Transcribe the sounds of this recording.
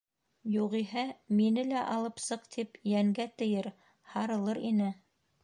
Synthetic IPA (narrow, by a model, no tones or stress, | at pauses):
juʁiɦæminɘlæʔɑlˠɤpsɤqt̪ʰipjæŋɡæt̪ɘ̆jɘɾ | hɑɾɤ̆lˠɤɾinɘ